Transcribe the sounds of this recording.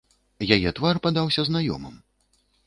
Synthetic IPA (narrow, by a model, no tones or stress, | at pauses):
jajɛt̪varpad̪awsʲɐznajɔ̰mɐ̰m